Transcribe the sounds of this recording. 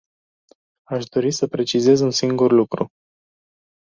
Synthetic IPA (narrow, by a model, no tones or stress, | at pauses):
aʃd̪o̞ɾisəpɾe̞t͡ʃize̞zunsiŋɡurlukɾṵ